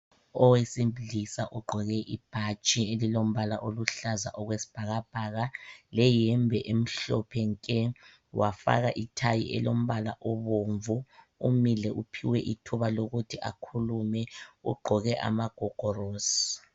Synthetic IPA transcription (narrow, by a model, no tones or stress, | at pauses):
ɔwesimbiɮisaʔuɡ͡ǃʱɔɣɛʔib̥ʱat͡ʃʼielilom̩βalaʔoluɬaza̰ʔɔɣwesi̥b̥ʱaɣab̥ʱaːɣalɛjɛmbʱɛʔem̩ɬɔ̰pʰɛŋkʼɛ | wʔafa̰ɣaʔitʰajḭʔɛ̰lom̩βalaʔɔβoɱvu | umilɛʔupʰiwɛʔitʰuβaloɣutʰiʔa̰kʰulumɛṵɡ͡ǃʱɔɣɛʔa̰maɡ̥ʱɔɡ̥ʱɔroːsi̥